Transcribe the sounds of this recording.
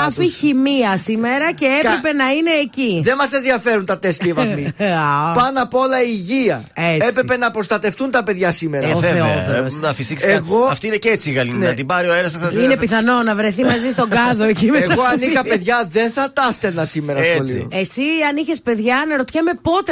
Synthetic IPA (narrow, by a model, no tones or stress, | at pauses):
ɐfiçimiɐsimeɾɐceepɾepe̞nɐine̞ːciðe̞mɐsenðiɐfe̞ɾunt̪ɐt̪e̞scɐivɐmipɐnɐpolɐiʝiɐ | eespɾepenɐpɾo̞st̪ɐt̪e̞ft̪unt̪ɐpe̞ðʝɐsimeɾɐoeonɐfisikeɣo̞ɐft̪ineceet͡siːɣɐlinneɐt̪ibɐɾioeɾɐsɐsinepiθɐno̞nɐvɾe̞θimɐzist̪o̞ɡɐðoecimeɣoɐnikɐpe̞ðʝɐðe̞nθɐt̪ɐst̪enɐsimeɾɐoliuesiɐniçe̞spe̞ðʝɐnɐɾot̪çemepo̞t̪e